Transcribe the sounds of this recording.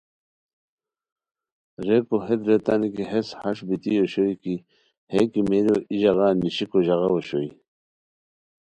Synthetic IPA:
ɾekoɦed̪ɾet̪anikiɦeshɐʂbit̪ioɕoiki | hekimeɾoʔiʑɐɣaːnːiɕikoʑɐɣawoɕoi

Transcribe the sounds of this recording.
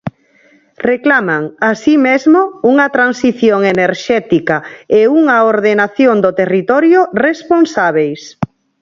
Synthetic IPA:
reklamaŋasimezmouŋɐt̪ɾansiθjoŋeneɾʃɛt̪ikaeuŋɐoɾðenaθjond̪ot̪erit̪ɔɾjoresponsaβ̞ejs

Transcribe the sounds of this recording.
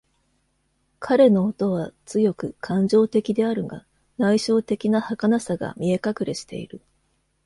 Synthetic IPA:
kʰaɾe̞no̞ːt̪o̞β̞at͡sɨjo̞kɯ̟kʰãɲ̟d͡ʑo̞ːt̪e̞kʲid̪e̞aɾɯ̟ɡa̰ | naiɕo̞ːt̪e̞kʲinahakanasaɡa̰mʲie̞kakɯ̟ɾe̞ɕi̥t̪e̞̰ḭɾɯ̟

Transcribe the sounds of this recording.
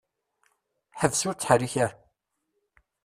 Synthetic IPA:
ħəvsʊɾt͡sːħəɾiçæɾ

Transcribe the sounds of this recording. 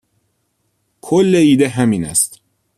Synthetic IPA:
kʰolːeiːd̪eɦæmiːnæ̰st̪

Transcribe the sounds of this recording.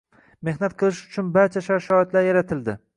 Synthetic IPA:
me̞hnat̪qʰɨlˠɪʃʊ̥t͡ʃʰʊnbaɾt͡ʃʰaʃaʃɒɪt̪laɾjaɾat̪ʰɪld̪ɪ

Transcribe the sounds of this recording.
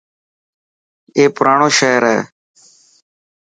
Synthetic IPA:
eːpʊɾaːɳoːʃeːɾɛ̰ː

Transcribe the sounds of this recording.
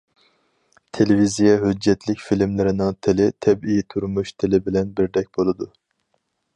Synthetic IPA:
t̪ʰelɪvizijɑɦød͡ʒːɛt̪ʰlɪkʲfilmlɪɾɪnɪŋt̪ʰɪlɪt̪ʰɛbijt̪ʰuɾmuʃt̪ʰɪlɪbɪlɛnbɪɾd̪ɛk̚ʲbolˠɨd̪u

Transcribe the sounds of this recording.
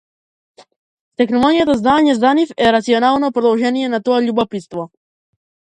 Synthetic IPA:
t̪exnolonijat̪aznaːɲezanifeɾat̪sionaːlˠnopɾod̪olˠʒenijenat̪oeʎubopit̪st̪ʋo

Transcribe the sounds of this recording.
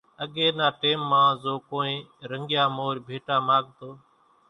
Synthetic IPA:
əɠeːnaːʈeːmːãːzoːkoːẽːɾəŋɡjaːmoːɾbʱeːʈaːmaːɠt̪oː

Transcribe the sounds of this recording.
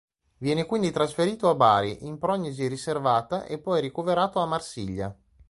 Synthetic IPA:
vjɛːnekwind̪it̪ɾasfeɾiːt̪oabaːɾiʔimpɾɔɲːiziriservaːt̪aʔepːɔjɾikoveɾaːt̪oamːarsiʎːa

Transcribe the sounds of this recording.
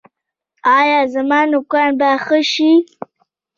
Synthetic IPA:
ɑjɑzamɑnʊkɑnbaxəʃi

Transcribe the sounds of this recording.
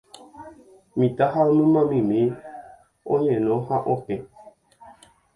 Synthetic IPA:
mĩt̪aɦaomɨ̃mãmĩmĩ | õɲẽnõhãʔõpẽ

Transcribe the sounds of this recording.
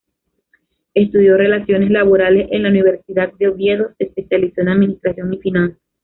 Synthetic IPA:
e̞st̪uðjo̞re̞lasjo̞ne̞slaβo̞ɾale̞se̞nlauniβ̞e̞ɾsiðat̪̚d̪eoβje̞ðo̞sespe̞sjaliso̞enaðminist̪ɾasjo̞ŋifinãnsḁs

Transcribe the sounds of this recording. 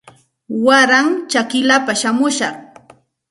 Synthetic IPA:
waɾaŋt͡ʃakɪlapaʃamʊʃɑχ

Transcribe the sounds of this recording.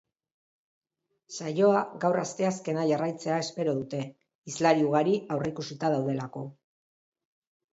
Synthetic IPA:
sajo̞aɡawrast̪e̞aske̞naʝarajt͡se̞ae̞spe̞ɾo̞ðut̪e̞ | islaɾiuɣ̞aɾiawreikusit̪að̞awðe̞lako̞

